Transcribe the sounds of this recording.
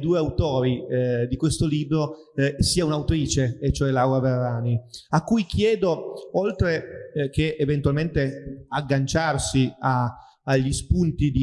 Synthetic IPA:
d̪uːeawt̪ɔːɾid̪ikwest̪oliːbɾo | siːaunawt̪ɾiːt͡ʃeet͡ʃːoɛlawɾaverːaːniakːujkʰjɛːd̪oolt̪ɾekeːvent̪uwalment̪eaɡːant͡ʃarsiaː | ʎːispunt̪id̪i

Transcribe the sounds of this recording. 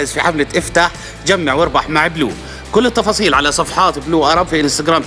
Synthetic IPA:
ʔɪzfiħamlaʔɪft̪aħ | t̪d͡ʒamːaʕwɪɾˤbɑħmaʕblṵː | kʊlːɪt̪ːɑfɑːsˤiːlʕalasˤɑfħɑːt̪bluːʔɑɾˤɑbfiʔɪnst̪aɡɾaːm

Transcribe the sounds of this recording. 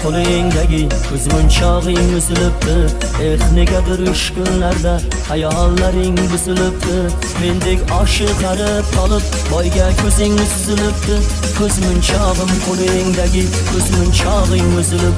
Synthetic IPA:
qʰolˠeŋd̪aɡʲɪkʲʰɵzmɪnt͡ʃʰɑʁɨŋɵzɪlɪp̚t̪ʰɪ | eɾχneɡʲad̪ɪɾʊʃkʲʰʊnːaɾd̪a | hajɑɑnlːaɾɪŋbʊzɪlɪp̚t̪ʰɪ | me̞nd̪ekʲɑʃɨt̪ʰæɾɪp̚qʰɑlˠɨp̚ | bɒjɡʲakʲʰɵzɪŋt̪ʰʊzɪlɪp̚t̪ɪ | qʰɵzmʊnt͡ʃʰɑʁɨmqʰolˠejɪŋd̪aɡʲɪ | kʲʰɵzmɪnt͡ʃʰɑʁɨŋɵzɪlɪp̚

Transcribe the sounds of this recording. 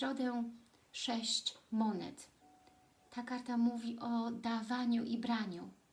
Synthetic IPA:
ɾɔd̪ɛ | ʂɛɕt͡ɕmɔnɛ̰t̪ː | akaɾt̪amuvʲiʔɔd̪avaɲuʔibɾaɲu

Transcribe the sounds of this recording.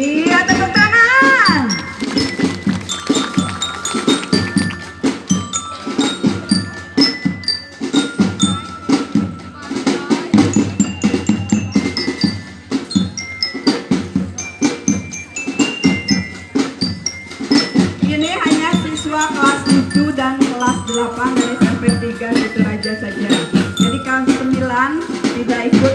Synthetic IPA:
iət̪əkət̪ana | iniɦaɲapisuakəlast̪ud͡ʒudankəlasdəlapamənasanpɛrt̪iɡabut̪uɾad͡ʒasad͡ʒad͡ʒadikalsəmilant̪idaikʊ

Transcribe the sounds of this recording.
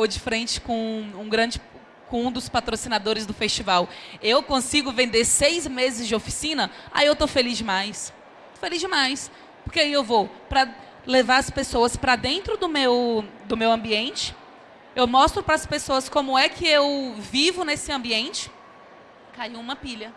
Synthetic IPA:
od͡ʒɪfɾẽnt͡ʃɪ̥kõũɡɾɐ̃d͡ʒɪ | kõd̪ʊspat̪ɾosinad̪oɾɪzd̪ʊfest͡ʃivawewkõsiɡʊvẽnd̪eɾsejzmezɪzd͡ʒɪofi̥sĩnɐa̰iewt̪ofelizd͡ʒɪmajs | ofelizd͡ʒɪmajs | poɾkeaiewvopɾɐ | levaɾɐspesoɐspɾɐd̪ẽnt̪ɾʊd̪ʊmewd̪ʊmewɐ̃mbiẽnt͡ʃɪ̥ | ewmɔst̪ɾʊpɾɐspesoɐskõmʊɛkʰɪewvivʊnesɪɐ̃mbiẽnt͡ʃɪ̥ | kaiũmɐpiʎɐ

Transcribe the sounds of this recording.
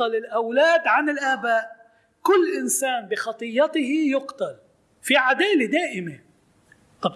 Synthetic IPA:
ɑlɪlʔawlaːd̪ʕanɪlʔaːbaːʔ | kʊlːʔɪnsaːnbɪxɑt̪ˤɨjːɑt̪ɪɦijʊqt̪al | fiʕad̪aːled̪aːʔɪme | t̪ˤɑb

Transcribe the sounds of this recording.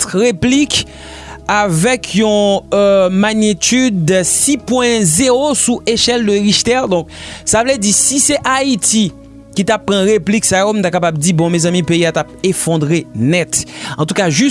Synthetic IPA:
t̪ʁeplik | avɛkʰjɔ̃ | maɲit̪yd̪sipwɛ̃zeʁosuʔeʃɛld̪əʁiʃt̪ɛʁd̪ɔ̃k̚savlɛdisisɛʔait̪i | kit̪apːʁɑ̃ʁepliksajom̩t̪akapabdibɔ̃mezãmĩpeiat̪ap̚efɔ̃d̪ʁenɛt̪ɑ̃t̪ukaʒy

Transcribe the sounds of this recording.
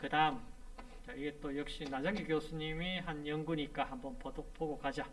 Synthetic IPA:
kɯdaɯm | t͡ɕaiɡe̞t͈ojʌk̚ɕ͈inad͡ʑaŋɡikjosʰuɲimiɦanjʌnɡuɲik͈ahambʌnpoopoɡokad͡ʑa

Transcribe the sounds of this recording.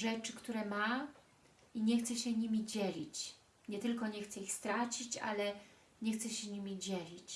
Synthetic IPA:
ʐɛt͡ʂɘkt̪uɾɛma | iɲɛxt̪sɛɕɛɲimʲid͡ʑɛlʲit͡ɕ | ɲɛt̪ɘlkɔɲɛxt̪sɛixst̪ɾat͡ɕit͡ɕa̰lɛ | ɲɛxt̪sɛɕɛɲimʲid͡ʑɛlʲit͡ɕ

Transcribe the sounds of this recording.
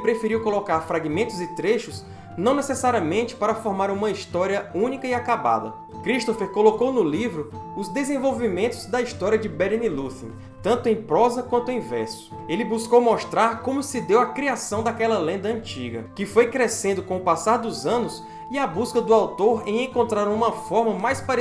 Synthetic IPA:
pɾefiɾiwkolokaɾfɾaɡimẽnt̪ʊzɪt̪ɾeʃʊs | nɐ̃w̃nesesaɾiɐmẽnt͡ʃɪ̥paɾɐfɔɾmaɾũmɐist̪ɔɾiɐũnikɐiakaba̰d̪ɐ̰ | kɾiʃt̪ofeɾkolokownʊlivɾʊʊzd̪ezẽvowvimẽnt̪ʊzd̪ɐist̪ɔɾiɐd͡ʒɪbɛɾnilusḭ̃ | t̪ɐ̃nt̪ʊẽj̃pɾɔzɐkwɐ̃nt̪ʊẽj̃vɛ̰ɾsʊ̥ | elɪbuskowmɔʃt̪ɾaɾkõmʊsɪd̪ewɐkɾiasɐ̃w̃d̪akɛlɐlẽnd̪ɐɐ̃t͡ʃiɡɐ̰kɪfojkɾesẽnd̪ʊkõʊpasaɾd̪ʊzɐ̃nʊs | iabuskɐd̪ʊawt̪oɾẽj̃ẽkõnt̪ɾaɾũmɐfɔɾmɐmajspaɾ

